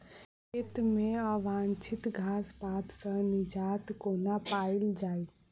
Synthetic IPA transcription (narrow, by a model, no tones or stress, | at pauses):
ket̪meəʋãnt͡ʃʰit̪ɡʱaspat̪sə̃nid͡ʒat̪konapaild͡ʒai